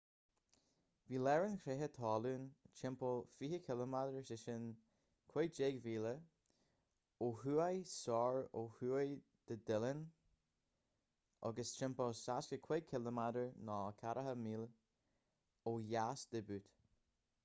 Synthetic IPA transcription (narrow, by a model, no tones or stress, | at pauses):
viːlɛɹənkʰɾeɦət̪ʰɑːluːnt͡ʃʰɪmpəlfiːhəkʰɪləmadəɹsɪʃən | kʰwed͡ʒeːɡviːlə | oːhuːajsɔːɹoːhuːaj | d̪̥əd̪ɪlən | ʔɑ̰ɡəst͡ʃʰɪmpəsaskəkʰw̥ɛkʰɪləmadəɹnɔːkʰaɾʔəɦəmiːl | oːjasd̪ɛbʉːt̪